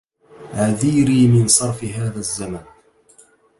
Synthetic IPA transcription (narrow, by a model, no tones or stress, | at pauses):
ʔaðiːɾiːmɪnsˤɑɾˤfɪɦaːðazːaman